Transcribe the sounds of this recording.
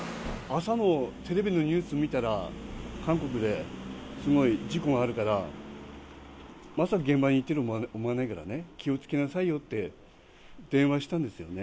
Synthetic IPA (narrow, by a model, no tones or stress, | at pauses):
asano̞t̪e̞ɾe̞bʲino̞ɲ̟ʲɨːsɨomʲit̪aɾakãŋko̞k̬ɯ̟d̪e̞sɨɡo̞id͡ʑiko̞ɡaːɾɯ̟kaɾa | masakaɡẽ̞mbaɲ̟it̪ːe̞ɾɯ̟omoanaikaɾa̰ne̞kʲio̞t͡sɨ̥ke̞nasaijo̞t̪ːe̞ | d̪̥ẽ̞ɰ̃βaɕi̥t̪ãnd̪e̞sɨjo̞ne̞